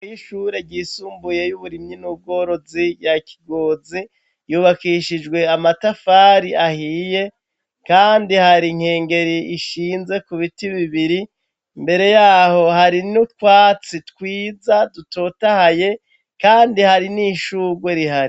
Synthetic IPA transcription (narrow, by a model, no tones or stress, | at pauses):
iʃuɾe̞ɾɟiːsuːmbuje̞juβuɾimɲinub̚ɡo̞ːɾo̞zijaki̥ɡoːzi | juːβakiːʃid͡ʒɡwe̞amatafaːɾiʔahiːje̞ | kaːndihaɾiŋ̥he̞ːŋɡe̞ɾiiʃiːnze̞kuβitiβiβiɾi | mbe̞ɾe̞jaːho̞haɾinutkwaːt͡sitkwiːzadutoːtahaje̞ | kaːndihaɾiniʃuɡweɾiɦaɾi